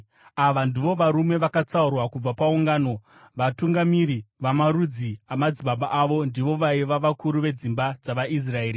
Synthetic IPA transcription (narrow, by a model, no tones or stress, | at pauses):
aʋandiʋo̞ʋaɾume̞ʋakat͡saurwakub͡vapauŋɡaːno̞ | ʋatuŋɡamiɾiʋamaɾud͡ziamad͡ziɓaɓaʔaʋo̞ndiʋo̞ʋaiʋaʋakʰuɾuʋe̞d͡zimbad͡zaʋaʔis̬rae̞ːɾi